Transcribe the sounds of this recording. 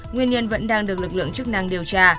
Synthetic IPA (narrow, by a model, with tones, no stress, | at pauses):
ŋwi˧ənɲə˧nvə̰˧˥nɗaː˧ŋɗɨ˨˩ək̚lɨ˨˩k̚lɨ̰˧˨ŋt͡ɕɨ˦˥k̚na˧ŋɗi˨˩əwt͡ɕaː˧